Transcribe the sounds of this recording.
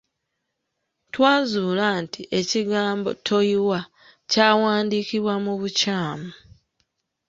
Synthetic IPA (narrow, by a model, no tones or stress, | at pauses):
twaːzuːlantʰiʔe̞ciɡaːmbo̞̰tʰo̞jiwa | caːwaːndiːkiβwamuβucaːmu